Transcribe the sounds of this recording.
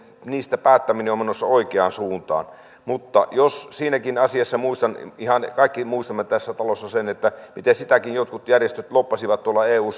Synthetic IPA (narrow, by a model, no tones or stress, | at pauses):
niːst̪æpæːt̪ːæmineomenosːɑoˑikeɑːnsuːnt̪ɑ̰ːn | mut̪ːɑ̰jossiːnækinɑsiɑsːɑmuist̪ɑnihɑnkɑˑikːimuist̪ɑmːet̪æsːæt̪ɑlosːɑsenet̪ːæmit̪esit̪ækinjot̪kut̪jærjest̪øt̪lopːɑsiʋɑt̪t̪uolːɑeːuːs